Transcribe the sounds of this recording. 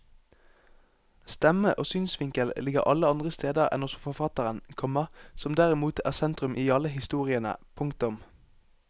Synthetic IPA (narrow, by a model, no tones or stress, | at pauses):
st̪ɛməʔoːsyːnsʋɪŋkəllɪɡəʁʔɑləɑnd̪ʁəst̪eːd̪əʁɛ̰nɔsfɔfɑt̪əʁənkʰɔməʁsɔmd̪æʁɪmuːt̪ʰæ̰ːʁsɛnt̪ʁʉmʔiːɑləhɪst̪uːʁɪənə̰pʰʊŋkt̪ʊm